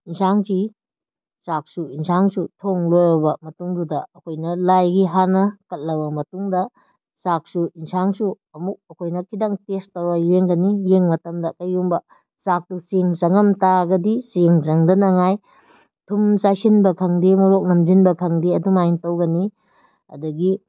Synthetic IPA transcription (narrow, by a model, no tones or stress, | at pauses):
insʰaŋki | sak̚suinsaŋsutʰoŋloɾɐbɐmɐtuŋdudɐːkʰojnɐlajɡiɦanɐkɐt̚lɐbɐmɐtuŋdɐ | sak̚suinsaŋsu | ɐmuk̚ɐkʰojnɐkʰidaŋpestɐwajeŋɡɐnijeŋmɐtɐmdɐkɐjumbɐ | sak̚tuseŋzɐŋɐmtaɡɐdiseŋzɐŋdɐnɐŋaj | tʰumsajsinbɐkʰɐŋdimɐɾok̚nɐmd͡ʒinbɐkʰɐŋdiɐdumajintɐwɡɐni | ɐ̰duɡi